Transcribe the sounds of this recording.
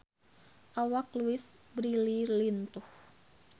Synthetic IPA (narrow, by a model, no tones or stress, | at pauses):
ʔawak̚luɪsbɾililint̪ʊh